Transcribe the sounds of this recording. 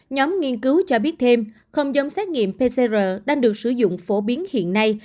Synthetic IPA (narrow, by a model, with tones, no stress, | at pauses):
ɲɔ˨˦mŋi˧ənkɨ˨˦wt͡ɕɔ˧ɓi˦˥ət̚t̪ʰe˧m | xə˧wŋ͡mzə˨˧˦wŋ͡msɛ˦˥t̚ŋḭ˧˨əmpe˧se˧zəː˨˩ɗaː˧ŋɗɨ˨˩ək̚sɨ˧˩zʊ̰˧˨ŋ͡mfo˧˩ɓi˨˦ənhḭ˧˨ənːa˧j